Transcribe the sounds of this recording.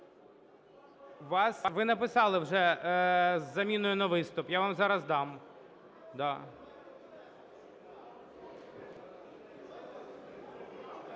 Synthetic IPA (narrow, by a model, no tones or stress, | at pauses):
ʋɑsʋɪnɐpɪsɑlˠɪwʒɛ | zːɐmʲinʊjʊnɐʋɪst̪ʊpjaʋamzɑɾɐzd̪ɑm | d̪ɑ